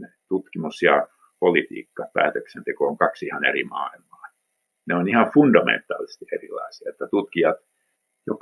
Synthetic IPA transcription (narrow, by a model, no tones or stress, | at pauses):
net̪ut̪kimusjɑ | polit̪ḭːkːɑpæ̰ːt̪øksent̪ekooŋkɑksihɑnḛrḭmɑ̰ːilmɑːn | neonihɑfundɑmḛnt̪ːˑɑ̰ːlise̥st̪iʔerilɑ̰isiɑet̪ːæt̪ut̪kijɑt̪ | jo̰k